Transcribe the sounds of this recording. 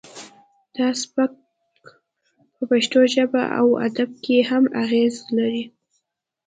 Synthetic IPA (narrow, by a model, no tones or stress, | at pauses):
d̪̥ɑsba | pəpaʃt̪oʒəba̰ʔa̰wa̰d̪ab̚kehamaɣezlaɾi